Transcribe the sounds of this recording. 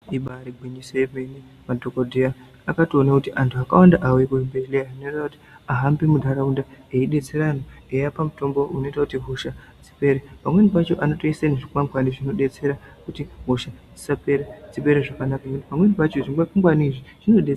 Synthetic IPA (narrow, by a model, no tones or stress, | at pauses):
iɓaɾiɡʱwiɲisojemeni | madʱokodʱiaː | katio̞nakutiʔantʰuakawandaʔawekuimbelejaino̞itakuti̥ | aɦambemudʱaɾaundaeiɗe̞t͡se̞ɾanoejapamuto̞mbo̞ʔuno̞itakutiɦoʃa | d͡zipe̞ɾepamwenipat͡ʃo̞ʔano̞toisaneʐikumamɡaniʐino̞ɗe̞t͡se̞ɾakutiɦoʃad͡zi̥sape̞ɾad͡zipe̞ɾeʐakanakanekuti̥pamwe̞nipat͡ʃo̞ʐiŋɡafuŋɡwaniʐiʐ̥ino̞ɗe